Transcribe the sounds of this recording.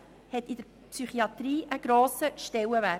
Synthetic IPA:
hɛtɪdəɾ | psyχiɑt̪ɾiːʔəɡ̥ɾoːsəʃtɛləvæ

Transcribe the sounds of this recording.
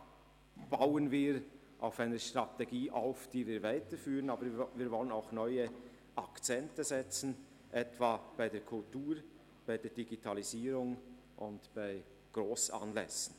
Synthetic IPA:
b̥aʊənviːɾ | ʔa̰ʊfaɪnəʃtʁ̥ɑteɡiːʔaʊfd̥iːviːɾvaɪtəfyːʁənɑːbəɾviːɐɾvɔlənaʊxnœʏə | ʔɑkt͡sɛntəzɛt͡sn̩ | ʔɛtvaːb̥aɪdeːkʰʊltuːɾ | b̥aɪdeːɐdiɡitʰɑliziːɾʊŋ | ʔʊntb̥aɪ | ɡ̥ɾoːsɑ̰nlɛsn̩

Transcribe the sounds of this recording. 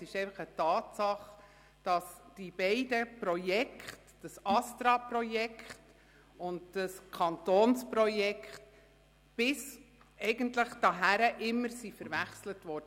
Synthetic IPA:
sɪʃɛɪfɑχətɑːtsɑχ | d̥ɑsd̥ib̥ɛɪdəpɾɔjɛkχtd̥ɑsɑstɾɑpɾɔjɛkχt | ʊndd̥ɑskʰɑntoːnspɾɔjɛkχt | b̥ɪs | ɛɪɡəntləχd̥ɑɦæɾəʔɪmːəɾsifəɾvæχslətʋɔɾd̥ə

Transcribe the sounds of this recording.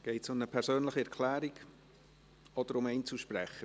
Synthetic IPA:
ɡ̥ɛɪtsʊməpʰɛɾsøːnləχəɛɾkʰlæːɾiɡ | ɔd̥əɾʊmɛɪnt͡suʃpɾɛχə

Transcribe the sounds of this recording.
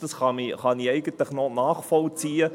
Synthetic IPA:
d̥ɑsχɑmiχɑniɛɪɡ̥əntləχnɔnaːχfɔlt͡siːə

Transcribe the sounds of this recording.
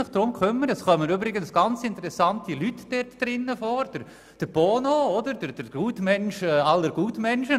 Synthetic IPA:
ɪχd̥ɾʊmkʰχʏmːəɾɛsχœmənybɾɪɡənsɡ̥ɑnt͡sɪntəɾɛsɑntilytd̥ɛtd̥ɾɪnːəfoːɾd̥əɾ | d̥əɾb̥oːnoɔdəɾd̥əɾd̥əɾɡuːtmɛnʃɛːɑlːəɾɡ̥uːtmɛnʃə

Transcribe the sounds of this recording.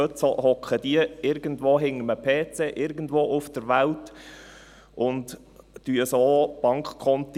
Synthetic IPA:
øtsohɔkχəd̥iəɪɾɡən̩dʋoːɦɪŋːəməpʰeːt͡seʔɪɾɡən̩dʋoːʔʊfd̥əɾʋælt | ʔʊnt | d̥yəsoːb̥ɑŋkχkʰːɔnt̪

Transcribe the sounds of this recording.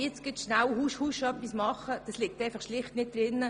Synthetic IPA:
jɛt͡sɡ̥ɪtʃnawhuʃhuʃœpːismɑχəd̥ɑslɪk̚taɪfɑχʃlɪχtnɪt̚d̥ɾɪnːə

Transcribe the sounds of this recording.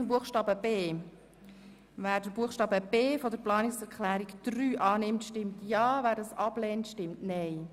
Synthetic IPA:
əmbuəχʃtɑːbəbeː | væːɾdəbuəχʃtɑːbəb̥eːfodəɾplɑːnɪksɛɾkχlæːɾikd̪̥ryːʔɑːnɪmtʃtɪmtʰjɑːvæːɾdɑsɑb̥lɛːntʃtɪmtnɛɪ

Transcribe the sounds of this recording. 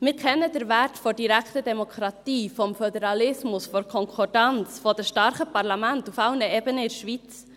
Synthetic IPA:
mɪɾkʰɛnːədəɾvæɾtfɔdiɾæktədɛmokʰɾɑtiːfɔmfœdəɾɑlɪsmʊsfɔɾkʰɔŋkʰɔɾdɑnt͡sfɔdəʃtɑɾχəpɑɾlɑmæntufɑʊnəebənəɪɾʃʋit͡s

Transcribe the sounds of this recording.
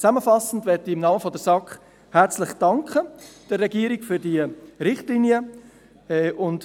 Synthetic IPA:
t͡sæməfɑsn̩dʋɛtiɪmnɑːməfɔdəsɑkχ | hæɾt͡slɪχd̥ɑŋkχəd̥ərːɛɡiːəɾɪɡ̥fyɾdiəɾɪχtliniə | ɛːʔʊnd

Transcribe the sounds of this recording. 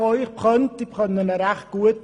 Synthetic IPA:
ɔʏχpχœntipχœnənəɾæχt̚ɡ̥uət̚

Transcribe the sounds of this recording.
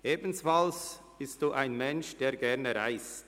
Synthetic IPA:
ʔeːbn̩sfals | b̥ɪst̚d̥uːʔaɪnmɛnʃd̥eːɾɡɛʁnəɾaɪstt

